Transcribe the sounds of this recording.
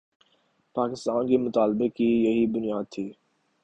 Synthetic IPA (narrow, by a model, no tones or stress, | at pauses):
paːkɪst̪aːnkemʊt̪aːlbekijɐɦibʊnijaːd̪̚t̪ʰiː